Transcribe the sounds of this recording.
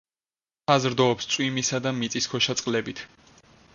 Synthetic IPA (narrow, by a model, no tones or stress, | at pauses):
azɾd̪ɔːpst̪sʼwimisad̪amit̪sʼiskʰɔʃat̪sʼqʼlɛbit̪ʰ